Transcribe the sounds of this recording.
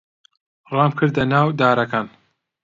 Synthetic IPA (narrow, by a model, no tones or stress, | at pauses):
rˤɑːmkʰɨɾd̪ɐnaːwd̪aːɾɐkaːn